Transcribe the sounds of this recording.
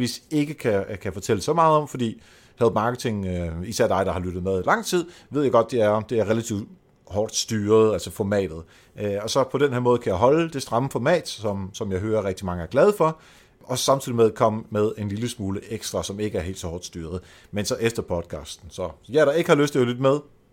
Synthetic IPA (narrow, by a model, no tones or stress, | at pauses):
ʋise̝ɡ̥əkʰækʰæfɒ̽t͡sʰel̰̥esɒ̽mɑ̈ːð̩ˠɒ̽mfɒ̽d̥ḭː | hæðˠmɑ̈ːɡ̥ət͡sʰe̝ŋisæɐd̥ɑ̈ɪɾ̥dɑ̈hɑ̈lyɾ̥ð̞̩ˠmeð̞ˠilɑ̈ŋ̰t͡sʰið̞̰ˠʋeðˠjɑ̈ɪɡ̥ɒ̽d̥̚ːeæɐɒmd̥e̝æɐʁelæt͡sʰiʊ | hɒːd̥sd̥yːɐð̩ˠælsəfɒmɛ̰ːd̥ð̩ˠ | ʔɒ̽sɒ̽pʰɒ̽d̥enheɐmɔ̽ːð̞̩ˠkʰæjɑ̈ɪɦɒ̽ləd̥e̝sd̥ʁɑ̈məfɒmɛ̰ːd̥sɒ̽msɒ̽mjɑ̈ɪɦøːɐʁɛɡ̥d̥imɑ̈ŋəæɐɡ̥lɛð̞ˠəfɒ̽ | ʔɒ̽smt͡sʰiðˠimeðˠkʰɒ̽m̰əmeð̞ˠe̝nliləsmuːləʔeɡ̥sd̥ʁɑ̈sɒ̽me̝ɡ̥əæɐɦe̝̰ldsɒ̽hɒ̰ːd̥sd̥yːɐð̞ˠ | mensɒ̽ʔefd̥ɐpʰɒ̽d̥̚kʰɑ̰̈ːsd̥n̩sɒ̽jɑɾ̥ɑ̈e̝ɡ̥əhɑ̈løsd̥eælyd̥ð̩ˠmeð̞ˠ